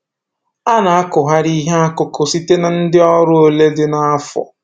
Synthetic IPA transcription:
a˦na˨a˦kʊ˨ɦa˦ɾi˦ɦe˦a˦kʊ˦kʊ˨si˦te˦na˨n̩˦dɪ˦ɔ˦ɾʊ˦o˦le˦dɪ˦na˦fɔ̰˨

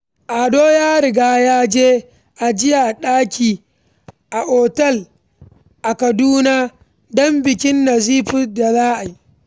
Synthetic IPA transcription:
ʔa˨doː˦jaː˦ɾɪ˨ɡaː˦jaː˦d͡ʒeː˦ | ʔa˨d͡ʒɪ˦ja˨ɗaː˦kʲiː˨ | ʔa˨ʔɔː˨tɛ˦˨l | ʔa˨kɐ˨duː˦naː˦ | dɔ˦mbɪ˨kʲɪ˦nːɐ˨ziː˦ɸʊ˦da˨zaː˦ʔa˨ji˦

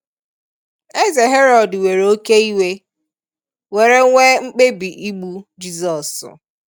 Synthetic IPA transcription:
e˦ze˨ɦe˦ɾɔ˨dwe˨ɾe˨o˦ke˦i˦we˦ | we˨ɾe˦ŋʷe˦ŋ͡m̩˦k͡pe˦bi˨ʔi˦ɡ͡bu˦d͡ʒi˦zɔ˨sʊ̰˨

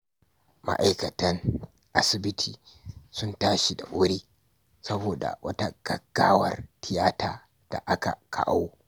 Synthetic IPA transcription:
ma̰˦ʔa˦jkɐ˨tɐ˦ŋ | ʔa˦sɪ˨bɪ˦tʰiː˨ | sʊ˦ntaː˦ʃi˨da˨ʔʷoː˦ɾiː˦ | sɐ˦boː˨da̰˨wʔɐ˦ta˦ɡ̥ɐ˨ɡ̥ːaː˦wɐ˨rtʰɪ˦jaː˦taː˨ | d̥a̰˨ʔa˦ka̰˨kʰa̰˨ʔa̰˦wo˦

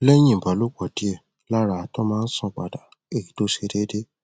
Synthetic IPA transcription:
lɛ˦j̃ĩ˦˨ba˨˦lu˦k͡pɔ˨di˨˦ɛ˦˨ | la˦ɾa˧˨tɔ˦mãː˦˧n̩˦sɔ̃˧˨k͡pa̰˨da˨ | e˦˨i˨to˦ʃe˧de˦de˦

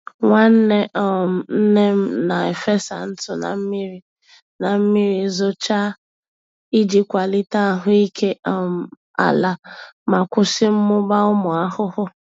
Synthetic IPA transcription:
ŋʷa˦n̩˦ne˦˨n̩˦ne˦m̩˦na˨e˨fe˦sa̰˨n̩˦tʊ˨na̰˨m̩˦mi˦ɾi˦ | na˨m̩˦mi˦ɾi˨˦zʊ˦t͡ʃa˦ | i˦d͡ʒi˦kʷa˨li˦ta˦˨ɦʊ˦i˦kʰe˦˨m˨ | a̰˨la˨ma˨kʷʊ˦sɪ˦m̩˦mʊ˦ba˦ʊ˦mʊ˨a˦hʊ˦hʊ˦

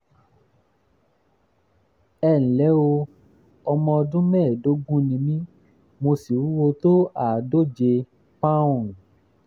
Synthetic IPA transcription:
ɛ˦˨ñ̩˨lɛ˨˦o˧ | ɔ˧mɔ̃˧dũ˦mɛ˦˨do˨˦ɡũ˦nĩ˧mĩ˦ | mo˧si˨u˦wo˧to˦a˨do˦˨d͡ʒe˧ | pã˦˨

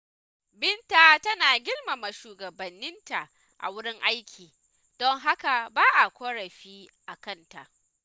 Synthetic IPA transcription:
bɪ˦ntaː˨tɐ˦naː˨ɡʲɪ˦lma˨ma˨ʃuː˨ɡɐ˨bɐ˨nːɪ˦nta˨ʔ | ʔa̰˨wʊ˦ɽɪ˦ŋʔa˦jkʲʰiː˨ | d̥ɔ˦ŋɦa˦ka˨baː˦ʔa˨kʷoː˦ɽɐ˨ɸiː˦ʔa˨kɐ˦nta˨ʔ

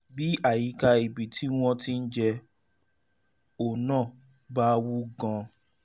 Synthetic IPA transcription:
bi˦a˦˨ji˨˦ka˧i˨bi˨tʰi˨˦w̃ɔ̃˧tĩ˦n̩˦d͡ʒɛ˧ | o˨nãː˦˨ | ba˦wu˦ɡã˧

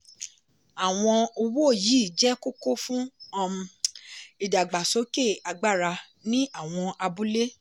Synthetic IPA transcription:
a˨w̃ɔ̃˧o˧wo˦˨ji˨˦˨d͡ʒɛ˦ko˦ko˦fũ˦˧ | i˨da˨ɡ͡ba˨so˨˦ke˦˨a˧ɡ͡ba˦˨ɾa˧ | nĩ˦a˦˨w̃ɔ̃˧a˧bu˦le˦

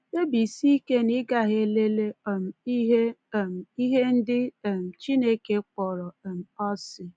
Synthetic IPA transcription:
e˦bi˨si˦ke˦ni˦ɡa˨ɦe˦le˦le˦˨m̩˨i˦ɦe˦˨m˨i˦ɦe˦n̩˦dɪ˦˨m̩˨t͡ʃi˦ne˦ke˦k͡pɔ˨ɾɔ˨m̩˨ɔ˦sɪ˨

